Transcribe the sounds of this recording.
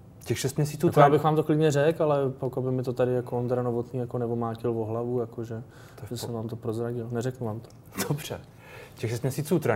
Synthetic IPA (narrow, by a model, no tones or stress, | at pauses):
cɛxʃɛst̪mɲɛsit͡suːk̪jaːbɪxʋaːmt̪oklɪdɲɛrɛkalɛpakabɪmɪt̪ot̪adɪjakoond̪ɾano̞vot̪niːjakonɛvomaːcɪlvoɦlavujakoʒɛ | ʒɛsɛmvaːmt̪opɾo̞zɾaɟɪlnɛɾɛknuvaːmt̪o̥ | d̥obr̥ɛ̰ | cɛxʃɛst̪mɲɛsiːt͡sut̪ɾa